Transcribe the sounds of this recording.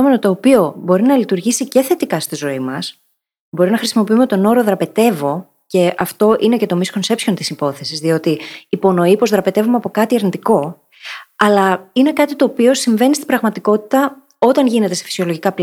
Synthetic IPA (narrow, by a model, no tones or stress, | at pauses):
ome̞not̪o̞ːpio̞bo̞ɾinɐlit̪uɾʝisice̞θe̞t̪ikɐst̪izo̞imɐs | bo̞ɾinɐxɾisimo̞piumet̪o̞no̞ɾo̞ðɾɐpe̞t̪e̞vo̞ | ce̞ʔɐft̪o̞ʔine̞ce̞t̪o̞misko̞nse̞psço̞nt̪isipo̞θe̞sizðio̞t̪iːpo̞no̞ipozðɾɐpe̞t̪e̞vumeɐpo̞kɐt̪iɐɾnit̪iko̞ | ɐlɐine̞kɐt̪it̪o̞ːpio̞siɱve̞nist̪ibɾɐɣmɐt̪iko̞t̪i̥t̪ɐ | o̞t̪ɐnʝine̞t̪ese̥fi̥sio̞lo̞ʝikɐpl